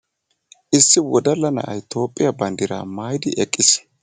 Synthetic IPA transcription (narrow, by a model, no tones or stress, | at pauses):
ʔɪsːɪwɔd̪ɐlːɐnɐ̰ʔɐ̰jt̪o̞ːpʼːɪjɐbɐnd̪ɪɾa̰ːmaːjd̪ɪʔɛkʼːɪs